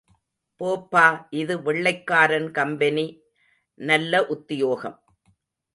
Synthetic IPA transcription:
poːpːaːʔɪðɯʋɛɭːɐɪkːaːɾɐnkɐmbɐni | nɐlːɐʔʊt̪ːɪjoːɣɐ̰m

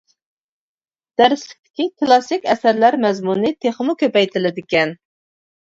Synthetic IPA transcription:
d̪̥æɾɪslɪk̚ʲt̪ʰɪ̥kʲikʰlˠɑsɪkʲɛsæɾlæɾmɛzmunɨt̪ʰeχmukʲøpɛjt̪ʰɪlɪd̪ɪkʲɛn

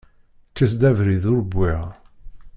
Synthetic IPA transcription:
kːəsd̪ævɾiðʊɾəbːiʁ

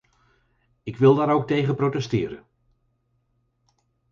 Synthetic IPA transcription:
ɪkʋɪlˠdaːɾowk̚tejχənprowtɛstɪːɾə̰n

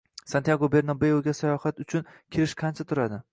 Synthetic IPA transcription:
sant̪jaɡobe̞ɾnɒbe̞joɡʲasajɒhat̪ʊt͡ʃʰʊnkʲʰeɾɪʃqʰɑnt͡ʃʰat̪ʰʊɾad̪ɪ

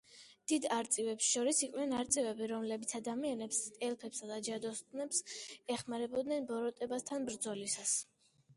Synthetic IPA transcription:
d̪̥id̪aɾt̪sʼivɛpsʃɔɾisiqʼnɛnaɾt̪sʼivɛbiɾɔmlɛbit̪sʰad̪amianɛpst̪ʼɛlpʰɛpsad̪ad͡ʒad̪ɔst̪ʼnɛpsɛχmaɾɛbɔd̪nɛnbɔɾɔt̪ʼɛbast̪ʰanbɾd̪zɔlisas

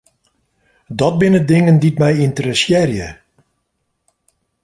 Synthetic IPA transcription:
dɔt̚bɪnədɪŋənditmɛjintəɾəsjɪːrjə

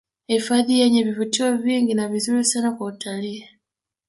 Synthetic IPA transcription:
eifaðijeɲeβivutiwoβiːŋɡinaβizumusanakuutʰali

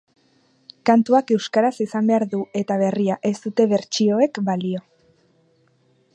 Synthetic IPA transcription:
kant̪uake̞wskaɾasisambe̞aɾðue̞t̪aβ̞e̞riaʔe̞st̪ut̪e̞βe̞ɾt͡ʃio̞e̞kbalio̞

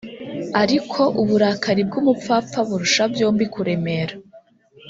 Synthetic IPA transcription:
aɾikʰo̞ʔuβuɾakaɾib̚ɡumup͡fap͡faβuɾuʃavjoːmbikuɾe̞me̞ɾa

